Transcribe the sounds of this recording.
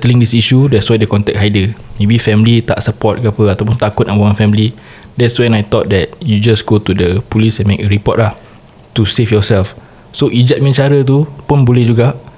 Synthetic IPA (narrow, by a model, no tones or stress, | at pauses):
t̪ɛlĩŋdisiʃudɛtswajdəkɔnt̪ɛk̚hajdəmẽbifɛmlit̪a̰ʔsəpɔt̪̚kapəat̪awp̬ʊnt̪akʊt̪̚ãnwaŋãnfɛmli | dɛtswɛ̃najt̪ɔt̪̚dɛt̚jud͡ʒasɡot̪udəpulisɛ̃nmekəɹipɔ̰t̚lah | t̪usefjɔsɛlf | soʔid͡ʒat̪̚mĩt͡ʃaɾət̪̬upʊnbolɛhd͡ʒuɡaʔ